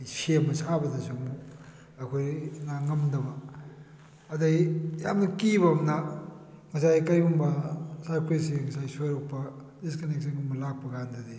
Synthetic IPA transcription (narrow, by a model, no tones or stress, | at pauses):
semɐsabɐdɐsoŋbu | ɐkʰojnaŋɐmdɐbɐ | dɐijamnɐkiβɐmna | ŋɐs̬ajkɐjbumbɐsajkʰojsiŋɐsajsoɾok̚pɐ | diskɐnek̚seŋumbɐlak̚pɐɡandɐdi